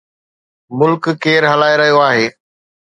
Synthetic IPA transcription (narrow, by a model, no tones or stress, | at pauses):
mʊlkkːeːɾɦɐlaːeɾɐɦijoaːɦeː